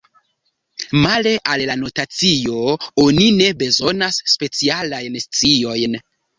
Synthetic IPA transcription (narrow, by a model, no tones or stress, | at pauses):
male̞ʔallano̞tat͡sio̞onine̞be̞zo̞nasːpe̞t͡sialajnst͡sio̞jn